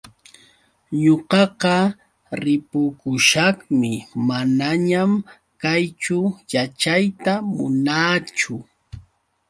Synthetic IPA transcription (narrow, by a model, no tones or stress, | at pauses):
ɲoqɑqɑ | ɾɪpʊkʊʃɑχmɪmanaɲam | kajt͡ʃʊjat͡ʃajt̪amʊ̰naːt͡ʃʊ